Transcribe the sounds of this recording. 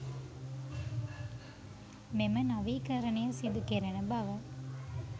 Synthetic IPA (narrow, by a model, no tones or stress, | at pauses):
memənɐʋiːkɐɾɐnejɐsid̪ukeɾɐnəbɐʋɐ